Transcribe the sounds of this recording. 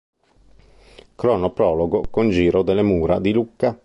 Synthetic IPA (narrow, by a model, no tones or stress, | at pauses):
kɾɔnopɾɔːloɡokond͡ʒiːɾod̪elːemuːɾad̪ilukːa